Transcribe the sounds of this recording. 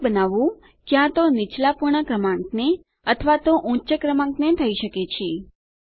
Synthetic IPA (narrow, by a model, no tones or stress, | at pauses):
bənaʋũ | kjãt̪onɪt͡ʃlapuɾɳəkɾəmãŋkne | ət̪ʰəʋat̪oʔũt͡ʃəkɾəmãŋknet̪ʰəiʃəket͡ʃʰe